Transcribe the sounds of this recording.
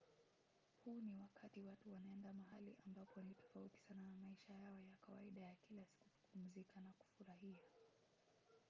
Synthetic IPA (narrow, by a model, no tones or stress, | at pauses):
huːniwakatiwatuwanaɛndamaɦalḭʔambapʰɔnitɔ̥fauti̥sananamaiʃajaɔjakawa̰iɗajakilasi̥ku̥tu̥pum̩zikanaku̥fuɾahia